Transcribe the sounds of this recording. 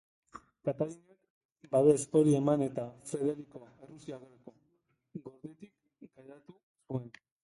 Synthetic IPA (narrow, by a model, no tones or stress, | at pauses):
kat̪aluɲak | baβespo̞ɾie̞mane̞t̪afɾe̞ðe̞ɾiko̞erusiaɣoɾeko̞ | ɡo̞ɾðet̪ik̚ | ɡajɾat̪u | sue̞n